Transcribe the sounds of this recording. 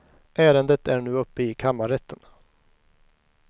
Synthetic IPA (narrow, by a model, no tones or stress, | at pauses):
ʔæːɾənd̪ət̪æɳʉ̟ːɵpːəɪkʰamːaɾɛt̪ʰːən